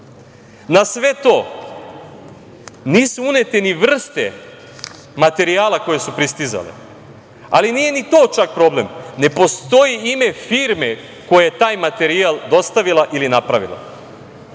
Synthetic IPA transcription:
nasʋe̞t̪o̞ː | niːsuune̞t̪eniʋr̩st̪e | mat̪e̞ɾiaːlˠako̞je̞supɾist̪iza̰lḛ | a̰linije̞nit̪o̞ːt͡ʃak̚pɾo̞ble̞mne̞po̞st̪o̞jiime̞fiːɾme | ko̞jajet̪aːjmat̪e̞ɾialˠd̪o̞st̪aʋilˠaʔilinapɾaʋḭlˠa̰

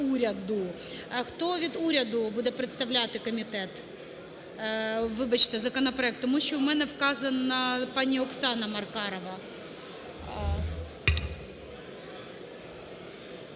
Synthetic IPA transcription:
uɾʲɐd̪ʊxt̪oʋʲid̪uɾʲɐd̪ʊbud̪ɛpɾɨɪt̪st̪ɐʋlʲat̪ɪkɔmʲit̪ɛt̪ | ʋɨbɐt͡ɕt̪ɪzɐkɔnɐpɾɔɛk̚t̪ːɔmuɕt͡ʃːɔʊmɛnɛfkɑzɐnːɐpɑnʲiɔksɑnɐmɐrkɑɾɔʋɐ

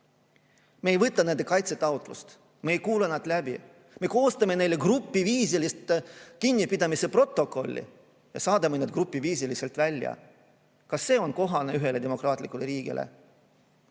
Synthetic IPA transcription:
me̞ːjvɤt̪ːˑɑnend̪e̞kɑjt̪set̪ːˑɑwt̪ˑlṵst̪ | me̞ːjkuːlenɑd̪̥læbḭ | me̞ko̞ːst̪ɑmene̞jlːe̞ɡ̥rupːiviːs̬ilist̪ekinʲːipid̪ɑmise̞pro̞t̪ːˑo̞kːo̞lʲːḭ | jɑ̰sɑːd̪ɑmened̪ɡrupːˑiviːsilise̞lt̪ˑvælʲːjɑ̰ | kɑsːe̞ːo̞nko̞ɦɑneyɦe̞le̞d̪emo̞krɑːt̪ˑlikːˑuleɾiːɡ̥ḭlʔḛ

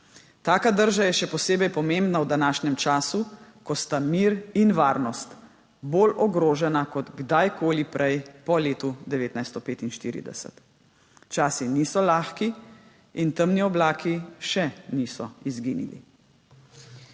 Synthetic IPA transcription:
t̪aːkad̪əɾʒajɛʃɛpɔseːbɛjpɔmembnawd̪anaːʃnɛmt͡ʃaːsukɔst̪amiːɾinʋaːɾnɔst̪ | boːlɔɡɾoːʒɛnakɔd̪ɡd̪ajkʰoːlipɾʔɛjpɔleːt̪ud̪ɛʋeːt̪najst̪ɔpeːt̪inʃt̪ḭːɾḭd̪ɛ̰sɛ̰t̪ | t͡ʃaːsinisɔlaːxki | int̪əmniɔblaːkʰiʃɛnisɔizɡḭːnḭlḭ

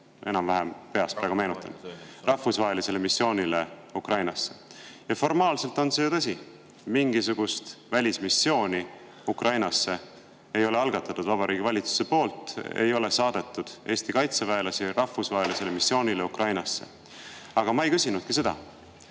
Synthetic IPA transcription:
e̞nɑmvæɦempe̞ɑst̪pæːɡ̥ume̞ːnut̪ːˑɑ̰nrɑfːusvɑɦe̞lise̞le̞misːjo̞ːnʲile̞ukrɑjnɑsːe̞jɑfo̞rmɑːlse̞lt̪ˑo̞nsejt̪ɑs̬ʲi | miŋɡisuɡ̥ust̪vælʲismisːjo̞ːnʲi | ukrʔɑjnɑsːe̞ | ejo̞le̞ɑlɡ̥ɑt̪ːˑɑt̪ːud̪̥vɑbɑɾiːɡ̥ivɑlʲit̪su̥se̞po̞ːlt̪ˑḛjo̞le̞sɑːd̪e̞t̪ːˑud̪̥e̞ːst̪ikɑjt̪sevæelɑsiɾɑhfːusvɑɦelise̞le̞misːjo̞ːnʲile̞ukrɑjnɑsːe̞̰ | ɑɡ̥ɑmɑe̞jkysʲinud̪̚kise̞d̪ɑ̰

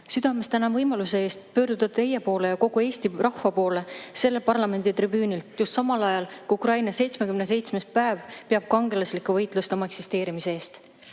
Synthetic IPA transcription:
syd̪̥ɑme̞st̪ænɑvɤjmɑluse̞e̞ːst̪̚pø̞ːɾd̪̥ut̪ɑd̥̪̚t̪e̞jepo̞ːle̞jɑko̞ɡ̥ue̞ːsʲt̪irɑhvɑpo̞ːle̞se̞lːe̞lpɑrlɑme̞nd̪̥it̪ribyːnilt̪just̪sɑmɑlɑjɑlkuukrɑjnɑse̞jt̪smekymnes̬e̞jt̪sme̞spæevpeɑb̥̚kɑŋɡe̞lɑslikːˑuvɤjt̪ˑlust̪eomɑe̞ksist̪e̞ːɾimise̞eːst̪

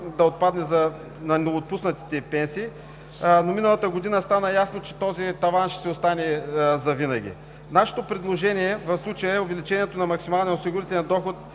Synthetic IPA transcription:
d̪ɐot̪̚pad̪nɛzɐ | nɐnɛot̪̚pusnɐt̪i̥t̪ɛpɛnsiː | nominəlˠɐt̪əɡod̪inəst̪anəjasnot͡ʃɛ̥t̪ɔzit̪ɐvanʃɛ̥sɛost̪anɛzɐvinɐɡ̟ʲḭ | naʃɛ̥t̪opɾɛd̪lˠoʒɛniɛvɐfslˠut͡ʃəjəɛovɛlit͡ʃɛniɛt̪onɐmɐksimalˠnɛosiɡʊɾit̪ɛlɛnd̪ɔxot̪̚

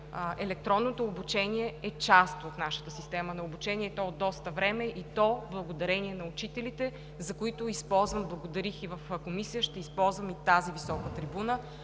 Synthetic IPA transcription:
ʔɛlɛk̚t̪ɾɔnːot̪oːbut͡ʃɛniɛɛt͡ʃast̪ot̪naʃə̥t̪əsist̪ɛmənɐobut͡ʃɛniɛt̪ɔod̪ːɔst̪əvɾɛmɛʔit̪ɔblˠɐɡod̪ɐɾɛniɛnɐʊt͡ʃit̪ɛlit̪ɛ | zɐkoit̪ʊispɔlˠzvəmblˠɐɡod̪ɐɾixivəfkomisijəʃt̪ɛispɔlˠzvəmit̪azivisɔkət̪ɾibunə

